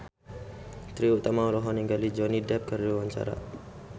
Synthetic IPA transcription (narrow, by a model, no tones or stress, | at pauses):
t̪ɾiut̪amaɔɾɔɦɔniŋɡalid͡ʒɔnidɛp̚kərdiwaɲt͡ʃa̰ɾa̰